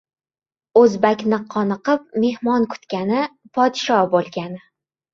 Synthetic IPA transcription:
ɵzbakʲnɪqʰɒnɨqɨp̚me̞hmɒnkʰʊ̥t̪kʲanɪpʰɒd̪ɪʃɒhbolˠɡʲanɪ

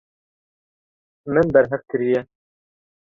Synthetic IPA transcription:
mɘnbɛɾɦɛfkɘɾijɛ

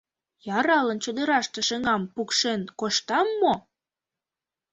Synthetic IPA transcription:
jɑɾɑlənt͡ɕod̪ə̆ɾɑʃt̪ĕʃəŋɑmpukʃenkoʃt̪ɑmːo

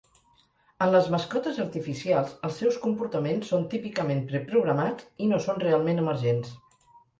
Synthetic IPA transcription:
ənləzməskɔt̪əzəɾt̪ifisialˠzəlˠsːɛwskumpuɾt̪əmensːont̪ipikəmempɾəpɾuɣ̞ɾəmat͡sinosonrealˠmenəməɾʒens

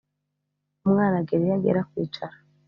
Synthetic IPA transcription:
umŋaːnaɡeɾijaɡḛɾakwiːt͡ʃaɾḁ

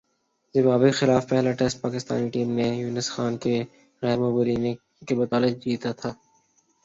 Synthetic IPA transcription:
zɪmaːbɪkxɪlaːfpɛɦlaʈɛsʈ̚paːkɪst̪a̰ːniʈiːmnejuːnəsxaːnke | ɣɛːɾmoːbəɾiːne | kebɐt̪aːlɪd͡ʒiːt̪at̪ʰaː

